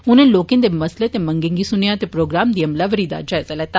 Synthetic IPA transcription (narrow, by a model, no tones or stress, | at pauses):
ʊnẽːloːkɪ̃nd̪eːməsleːt̪eːmə̃ŋɡɪŋɡiːsʊnijãːt̪eːpɾoːɡɾaːmd̪iːəmlaʋəɾiːd̪a̰ːd͡ʒaɛzaːlɛːt̪a